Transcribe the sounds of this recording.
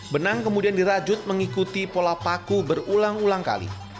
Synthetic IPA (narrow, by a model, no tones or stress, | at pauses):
bənaŋkəmudiandiɾad͡ʒʊt̪̚məŋikut̪ipolapakubərulaŋulaŋka̰lḭ